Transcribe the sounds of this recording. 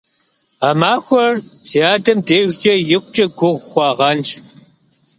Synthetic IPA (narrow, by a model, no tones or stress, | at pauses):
amaːxʷɔrzijaːdɐmdeːt͡ʃʼɐjɪkʷʊt͡ʃʼɐɡʷʊʁʷxʷɑʁɐnt͡ʃʰ